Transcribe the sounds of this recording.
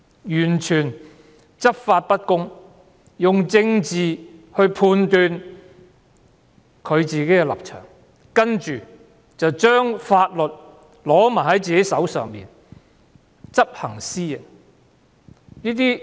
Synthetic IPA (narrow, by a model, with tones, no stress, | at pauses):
jyː˨˩nt͡ʃʰyː˨˩n | t͡sɐ˥p̚faː˧t̚pɐ˥t̚kʊ˥ŋ | jʊ˨ŋt͡sɪ˧ŋt͡siː˨hɵ˧ɥpʰuː˧nt̪yː˧n | kʰɵ˨˧ɥt͡siː˨ke˨˥jkɛ˧lɐ̰˨p̚t͡ʃʰœ̰ː˨˩ŋ | kɐ˥nt͡ʃyː˨ | t͡sɐ˨wt͡ʃœː˥ŋfaː˧t̚lɵ˨t̚ | lɔː˨˥maː˨˩hɐ˨˥jt͡siː˨˩ke˨˥jsɐ˨˥wsœ̰ː˨ŋmḭː˨˩n | t͡sɐ˥p̚hɐ˨˩ŋsiː˥ɐ˧ | niː˥t̪̬iː˥